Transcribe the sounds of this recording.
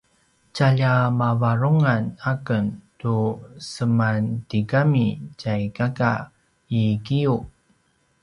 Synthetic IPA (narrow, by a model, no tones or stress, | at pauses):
t͡ɕaʎamavaɾuŋanakəntusəmantikamicajkaka̰ | ikiu